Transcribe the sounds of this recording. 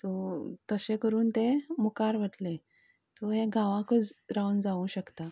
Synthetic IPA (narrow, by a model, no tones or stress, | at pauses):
t̪ɔt̪əɕekəɾuːnt̪emukaɾʋəʈ̪lẽ | t̪ɔɦẽɡʱãʋãkət͡sɾaund͡zaʋũɕəkt̪a